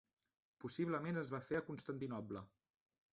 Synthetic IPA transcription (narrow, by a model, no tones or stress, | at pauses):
pusiβləmenəzβafeəkunst̪ənt̪inɔblə